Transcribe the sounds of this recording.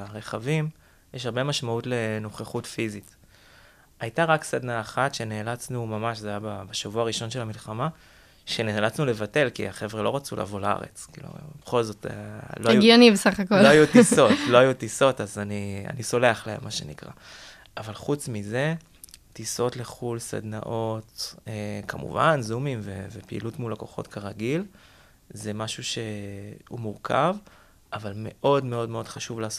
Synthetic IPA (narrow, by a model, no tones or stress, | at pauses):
ʁeχavim | jeʃ̬haʁbe̞maʃmautle̞no̞χeχutfizit | ajtaʁaksadnaːχatʃe̞neːlat͡snumamaʃzajababaʃavuaʁiʃonʃe̞lamilχama | ʃenelat͡snule̞vate̞lkḭaχe̞vʁelo̞ʁat͡sulʔa̰ːvo̞laa̰ʁḛt͡skḭːlṵbeχo̞lzo̞tlojuɡijonimbesaχakolloajutiso̞tlo̞ajutiso̞tazania̰niso̞leaχleemːaʃenikʁa̰ | avalχut͡smize̞ | tiso̞tle̞χulsa̰dna̰ʔo̞t̪ekamṵva̰nzumimvevepiḭlutmulako̞χo̞̰tkaʁaɡil | zemaʃuʃe̞ṵmuʁkʰa̰v | ʔavalme̞ʔo̞dmeo̞dme̞o̞d̥̪χaʃuvlaːso